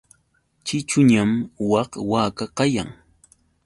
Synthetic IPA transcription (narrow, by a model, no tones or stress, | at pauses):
t͡ʃɪt͡ʃʊɲamwɑqwaːkaqɑjaŋ